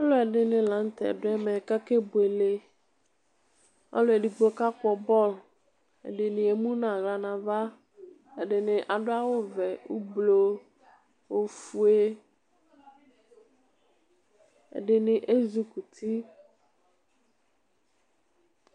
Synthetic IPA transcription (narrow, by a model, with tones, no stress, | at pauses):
ɔ˦lʊ˦ɛ˨ɖɪ˦nɪ̃˨lã˨˦n̩˦t̪ɛ̰˨dʊ˦ɛ˦mɛ˨ka˦ke˦bʊ˨e˨le˨ | ɔ̰˦lʊ˦e˨di˨ɡ͡bo˨ka˦k͡pɔ˨bɔ˦˨l | ɛ̰˨ɖɪ˨nɪ̃˨e˨mũ˦nã˨ɣla˨nã˨va˦ | ɛ˨ɖɪ˨nɪ̃˨ʔa˨dʊ˦a˦wʊ˦vɛ˨u˦blo˨ | wo˨fu˨e˦ | ɛ̰˨dɪ˨nɪ˨ʔe˦zu˨ku˨t̪ʰi˦